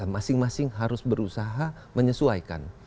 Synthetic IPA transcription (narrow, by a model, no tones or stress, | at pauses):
amasɪŋmasɪŋɦaɾʊsbəɾusaɦa | məɲəsuaika̰n